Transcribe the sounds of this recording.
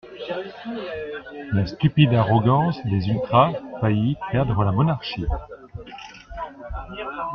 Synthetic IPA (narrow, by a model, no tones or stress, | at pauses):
last̪ypid̪aʁɔɡɑ̃sd̪ezylt̪χafaipɛʁd̪ʁəlamɔnaʁʃi